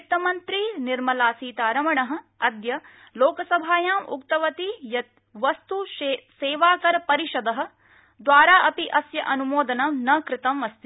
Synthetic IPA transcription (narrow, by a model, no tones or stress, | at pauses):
t̪ɐmɐnt̪ɾiːniɾmɐlaːsiːt̪aːɾɐmɐɳɐɦɐ̆ | ɐd̪jɐ | loːkɐsɐbʱaːjaːmṵkt̪ɐʋɐt̪ijɐt̪̚ | ʋɐst̪useːʋaːkɐɾɐpɐɾiʃɐd̪ɐɦɐ̆ | d̪ʋaːɾaːʔɐpiʔɐsjɐʔɐnumoːd̪ɐnɐnɐkɾɪt̪ɐmʋɐst̪i